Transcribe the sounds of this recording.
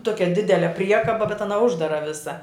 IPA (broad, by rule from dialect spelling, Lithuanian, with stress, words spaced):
ˈtoːkʲɛ ˈdʲɪdʲɛlʲɛ ˈpʲrʲiɛkɐbɐ bʲɛt ɐˈnɐ ˈʊʒdɐrɐ ˈʋʲɪsɐ